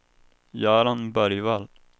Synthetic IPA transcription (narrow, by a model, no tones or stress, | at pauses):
jɑːɾanbœɾjval